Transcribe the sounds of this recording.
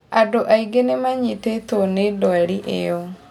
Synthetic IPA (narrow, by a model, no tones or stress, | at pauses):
adoʔaiɡenemaɲitet̪onedɔaɾiʔḛjɔ